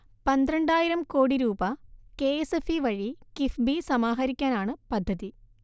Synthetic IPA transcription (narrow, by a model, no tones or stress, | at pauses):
pɐnd̪ɾɐɳɖaːjiɾɐmko̞ːɽiɾuːbɐkeesefiʋɐɻikifbisɐmaːɦɐɾikʲːaːnaːɳɨpɐd̪ʱːɐði